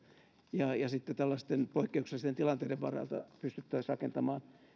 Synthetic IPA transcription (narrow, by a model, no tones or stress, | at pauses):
jɑjɑsit̪ːet̪ælːɑst̪enpoikːeukselist̪ent̪ilɑnt̪eideʋʋɑ̰rɑ̰lt̪ɑ̰pyst̪yt̪ːæːsrɑkent̪ɑmɑːn